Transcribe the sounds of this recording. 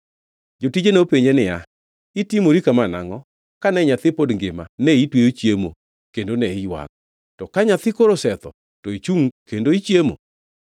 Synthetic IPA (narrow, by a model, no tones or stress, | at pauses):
d͡ʒotid͡ʒenopeɲenɪa | itimoɾikamana̰ŋɔ | kanɛɲat̪ɪpodŋɡɪma̰nɛitwejot͡ʃjemo̰ | kendonɛijwa̰ŋ | tɔkaɲat̪ɪkoɾosɛt̪ɔ | tɔit͡ʃuŋkendoit͡ʃjemo̰